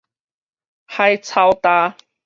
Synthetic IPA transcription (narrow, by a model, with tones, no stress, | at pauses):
ha˧˩jt͡sʰa˧˩wt̪aː˧